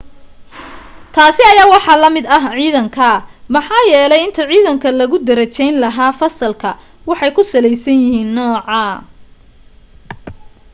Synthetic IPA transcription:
t̪ʰaːsɪɐjaːwɑħɑːlɐmɪd̪ɐɦʕiːðɐŋkʰɐmɑħɑːjɛːlɛjɪnt̪ʰɐʕiːðɐŋkʰɐlɐɣʊd̪ɐɾɐt͡ʃɛjnlɐɦaːfɐsɐlkʰɐ | wɑħɑjkʰʊsɐlɛjsɐnjɪhiːnːɔːʕɑ

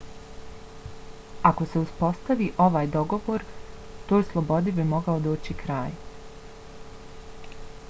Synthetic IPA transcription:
ako̞se̞uspo̞st̪aʋiʔo̞ʋaːjd̪o̞ɡo̞ʋo̞ːɾ | t̪oːjslˠo̞bo̞d̪ibimo̞ɡaod̪oːt͡ɕikɾaːj

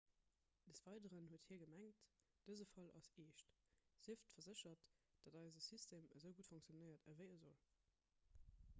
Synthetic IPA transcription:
d̥əsv̥ɑɪdəʁənhuəthiːɐɡəmæŋt | d̥əzəfɑlʔɑ̰seːʃt | z̥iəftfɐzəɕɐtd̥ɑdɑɪzəsystʰeːməzəʊɡutfɔŋksjonəɪɐtəvəɪəzol

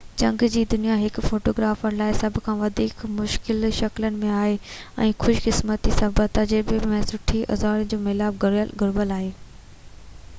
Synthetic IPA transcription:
t͡ɕɐ̃ŋɡd͡ʑiːd̪ʊnijaɦɪkfoːʈoːɡɾaːfəñlaːɪsɐbʱkʰãːʋɐd̪ʱiːkmʊʃkɪlʃɐklənɪ̆mẽaːɦeɛ̃ːxʊʃkɪsmət̪isɐbət̪ɐd͡ʑɪɾbemẽːsʊʈʰiɐ̰zaːɾənɪ̆d͡ʑoːmɪlaːbɡʊɾəlɡʊɾbəlaːɦeː

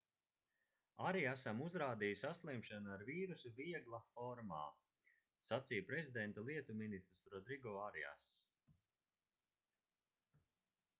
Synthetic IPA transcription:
aɾiasamuzɾaːd̪ijusʲaslˠimʃanaɾviːɾusuviɛɡlˠafɔɾma̰ː | sat̪sijpɾezʲid̪ɛnt̪alˠiɛt̪uminist̪ɾsɾɔd̪ɾiɡɔaɾia̰s

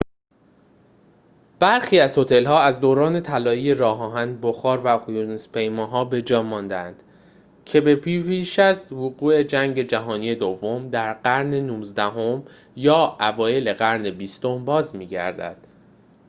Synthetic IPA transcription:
b̥æɾxiːæzho̞t̪ʰe̞lhɒːæzd̪oːɾɒːne̞t̪ʰælɒːiːje̞ɾɒːɦɒːɦænboxɒːɾvæɣjunespʰe̞jmɒːɦɒːbe̞d͡ʒɒːmɒːnd̪ænd̪̥ | cʰe̞be̞pʰipiːʃæzvoɣuːe̞d͡ʒæŋɟe̞d͡ʒæɦɒːnije̞d̪o̞vːomd̪æɾɢæɾnenuːzd̪æɦo̞m | jɒːʔævɒːje̞le̞ɣæɾne̞biːst̪o̞mbɒːzmiːɟæ̰ɾd̪æ̰d̪̥

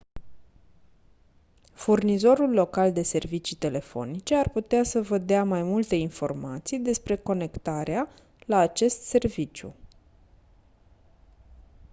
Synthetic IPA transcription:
furnizo̞ɾulːo̞kald̪e̞se̞rvit͡ʃit̪e̞le̞fo̞̰nit͡ʃe̞arput̪easəvəd̪eamajmult̪e̞info̞rmat̪sijd̪e̞spɾe̞ko̞ne̞kt̪aɾea | laːt͡ʃe̞st̪se̞rvit͡ʃjṵ

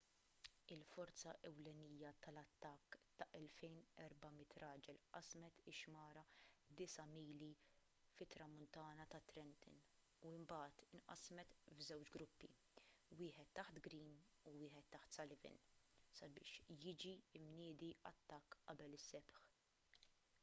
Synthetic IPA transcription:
ɪlfɔɾt͡sɐʔɛwlɛniːjɐt̪ɐlɐt̪ːɐkːt̪ɐʔɛlfɛjnɛɾbɐmɪt̪ɾɐːd͡ʒɛlʔɐsmɛt̪ɪʃmɐːɾɐd̪ɪsɐmiːli | fɪt̪ːɾɐmʊnt̪ɐːnɐt̪ɐt̪ːɾɛnt̪ɪ̰n | uɪmbɐːt̪ɪnʔɐ̰smɛt̪vzɛwt͡ʃɡɾʊpːḭ | wɪːħɛt̪ːɐħt̪ɡɾiːn | uwɪːħɛt̪ːɐħt̪sɐlɪvɪ̰nsɐbɪ̰ːʃjɪːd͡ʒiɪmnɪːd̪iʔɐ̰t̪ːɐkːʔɐbɛlɪsːɛpħ

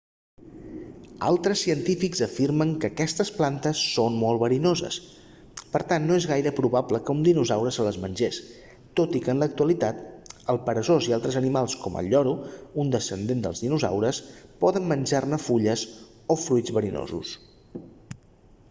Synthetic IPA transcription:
a̰lˠt̪ɾəsːiənt̪ifikzəfiɾməŋkəːkɛst̪əsplant̪əsːonmolˠβəɾinozə̰s | pəɾt̪anːoezɣajɾəpɾuβapləkəund̪inuzawɾəsələzmənʲʒes | t̪ot̪ikənlək̚t̪uəlit̪at̪əlˠpəɾəzozialˠt̪ɾəzənimalˠskɔmʔə̰ʎɔɾuund̪əsənd̪end̪ə̰lˠzðinuza̰wɾəspɔðəmmənʲʒarnəfuʎəs | ofɾujd͡zβəɾino̰zṵs

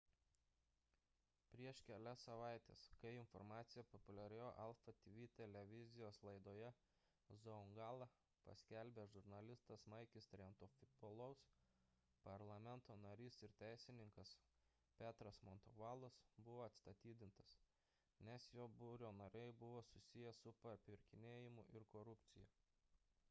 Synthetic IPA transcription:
pʲɾʲiɛʃkʲɛlʲɛsɐʋɑˑɪt̪ʲḛːskɐɪɪnfɔɾmɑːt̪sʲɪjɛpɔpʊlʲɛɾʲejoːʔɑlˠfɐt̪ʲʋʲit̪ʲɛlʲɛʋʲɪzʲɪjoːslˠɐɪd̪oːjɛ | zɔʊŋɡɑːlˠɐ | pɐ̰sʲkʲɛlʲbʲeːʒʊɾnɐlʲɪst̪ɐsmɐɪkʲɪst̪ʲɾʲɛnt̪ofʲʊboːlˠɐʊs | pɐɾlˠɐmʲɛnt̪oːnɐɾʲiːsɪɾt̪ʲæɪsʲɪnʲɪŋkɐs | pʲæːt̪ɾɐsmɔnt̪oʋɑːlˠɐsbʊʋoːɐt̪st̪ɐt̪ʲiːd̪ʲɪnt̪ɐs | nʲɛsjoːbʊɾʲoːnɐɾʲɛɪbʊʋoːsʊsʲɪjɛsʊpɐpʲɪɾʲkʲɪnʲeːjɪmʊʔɪɾkoɾʊpʲt̪sʲɪjɛ

